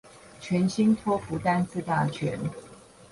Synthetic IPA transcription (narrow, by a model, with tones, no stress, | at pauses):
t͡ɕʰɥɛ˨˧˥nɕi˥ŋt̪ʰwɔ˥fu˨˧˥t̪a˥˧nt͡sɹ̩˥˧t̪a˥˩t͡ɕʰɥɛ̰˧˦n